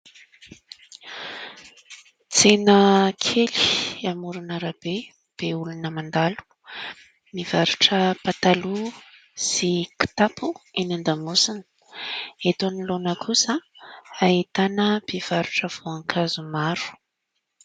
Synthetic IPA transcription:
t͡senəkʰeliamuɾunaɾab̥e | b̥eulunəmand̪alu̥ | miv̥aɾuʈ͡ʂəpat̪alu | siki̥t̪apʰuinand̪amusinə̥ | et̪onilonəkʰusəait̪anəb̥ev̥aɾuʈ͡ʂəv̥oaŋkʰazumaɾu̥

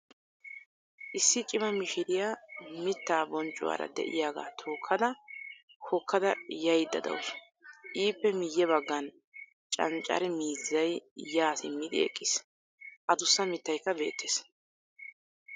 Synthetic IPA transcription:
ʔɪsːɪt͡ʃʼɪmɐmɪʃɪd̪ɪjamɪt̪ːaːbɔnt͡ʃʼːʊ̰wa̰ːɾɐ̰d̪ɛ̰ʔɪ̰jaːɡa̰ːt̪ʰoːkʰːɐd̪ɐ | hɔkʰːɐd̪ɐjɐjd̪ːɐd̪ɐ̰ws | ʔiːpːɛmɪjːɛbɐɡːɐn | t͡ʃʼɐ̰nt͡ʃʼːɐ̰ɾɛmiːzːɐjjaːsɪmːɪd̪ɪ̰ɛ̰kʼːɪs | ʔɐd̪ʊsːɐmɪt̪ːɐjkːɐbe̞̰ːt̪ʰːeːs

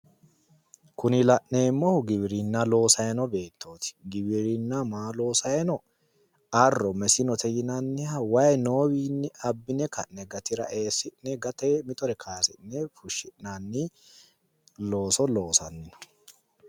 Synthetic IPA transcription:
kʊnɪlɐʔne̞ːmːɔhʊɡɪbɪɾɪnːɐlo̞ːsɐjɐnɔbe̞ːt̪ːoːt̪ɪ̥ɡɪbɪɾɪnːɐmaːlo̞ːsɐjɛnɔ | ɐrːɔmɛsɪnɔt̪ɛjɪnɐnːɪhɐwɐjnoːwiːnːɪɐbːɪnɛkɐʔnɛɡɐt̪ɪɾɐ̰ʔe̞ːsɪnɛɡɐt̪emɪt̪ɔɾɛkʰaːsɪ̰nːɛfʊʃːɪʔnanːɪ | lo̞ːsɔlo̞ːsɐnːɪnɔ̥

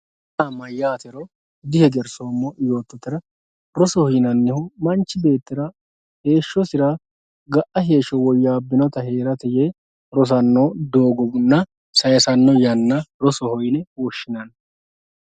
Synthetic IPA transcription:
ʔamːɐjːaːt̪ɛɾɔ | d̪ɪhɛɡ̪ɛɾsoːmːɔjo̞ːt̪ːɔt̪ːɪɾɐ | ɾɔsɔhɔjnɐnːɪhʊmɐnt͡ʃːɪbe̞ːt̪ːɪɾɐ | he̞ːʃːɔsɪɾa | ɡɐʔɐɦe̞ːʃːɔwɔjːaːbːɪnɔt̪ɐhe̞ːɾɐt̪ɛje | ɾɔs̬ɐnːoːd̪o̞ːɡɔbʊnːɐ | sɐjɐsɐnːɔjɐnːɐɾɔsɔhɔjnɛwɔʃːɪnɐn

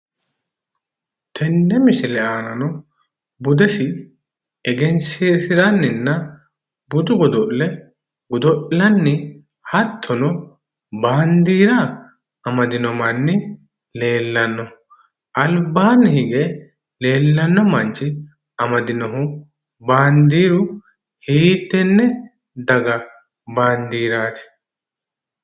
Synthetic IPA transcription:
t̪ʰɛnːɛmɪsɪlɛaːnɐnɔ | bʊd̪ɛsɪ | ɛɡɛnseːsɪɾɐnːɪnːɐ | bʊd̪ʊɡɔd̪ɔʔlɛ | ɡʊd̪ɔʔlɐnːɪ | hɐt̪ʰːɔnɔ | baːnd̪iːɾɐ | ɐmɐd̪ɪnɔmɐnːɪ | le̞ːlːɐnːɔ | ɐlbaːnːɪhɪɡe | le̞ːlːɐnːɔmɐnt͡ʃɪ | ɐmɐd̪ɪnɔɦʊ | baːnd̪iːɾʊ | hiːt̪ːɛnːɛ | d̪ɐɡɐ | baːnd̪iːɾaːt̪ɪ̥

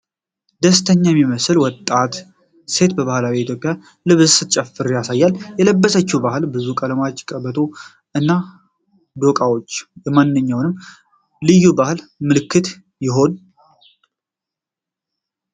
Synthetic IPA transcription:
d̪əst̪ʰəɲːajɛmiməsɨlwɔt̪ʼːat̪ | se̞t̪bəβahlawiit̪jo̞pʼja | lɨβɨzsɨt͡ʃʼɛfɨɾjasajːaljɛləbːəsət͡ʃːubaɦɨlbɨzukʼəlmat͡ʃːkʼəβət̪ʰo̞ | ʔɨnːa | d̪o̞kʼawo̞t͡ʃːjɛmanːɨɲːawnɨmː | lɨjːubahɨlmɨlɨkʰːɨt̪ | jɪɦo̞n

